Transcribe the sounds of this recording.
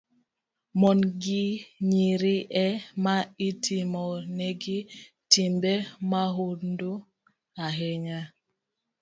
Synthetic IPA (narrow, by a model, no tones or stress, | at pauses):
mɔnɡiɲiɾiʔɛmaitʰimɔnɛɡi | timbɛmaɦundu | aɦeɲa